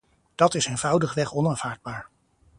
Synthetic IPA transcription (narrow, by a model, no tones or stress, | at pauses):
d̥ɑtɪseːnvʌwdəχʋɛχɔnaːnv̥aːɹd̚baːɹ